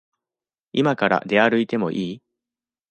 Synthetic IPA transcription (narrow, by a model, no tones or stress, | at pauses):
imakaɾa̰d̪e̞aɾɯ̟it̪e̞mo̞̰ʔiː